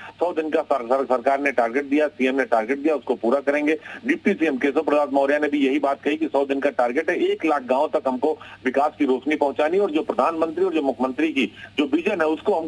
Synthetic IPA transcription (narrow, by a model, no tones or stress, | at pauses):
sɔːd̪ɪnkasɐsɐsɐɾkaːɾneʈaːɾɡeʈ̚d̪ijasiːɛmneʈaːɾɡeʈ̚d̪ijaʊskopuːɾakɐɾẽːŋɡeːɖɪp̚ʈisiɛmkeːs̬opɾɐd̪aːt̪mɔːɾijanebʱijɐɦibaːt̪̚kɐɦikisɔːd̪ɪnkaʈaːɾɡeʈɦɛeːklaːk̚ʰɡãːõt̪ɐkɦɐmkoʋɪkaːskiɾoːt͡ʃnipɐɦʊ̃t͡ʃaːniɔːɾd͡ʒoːpɾɐd̪ʱaːnmə̃nt̪ɾiɔːɾd͡ʒoːmʊkʰːmə̃nt̪ɾikid͡ʒoːbɪd͡ʒənɦɛʊskoɦɐm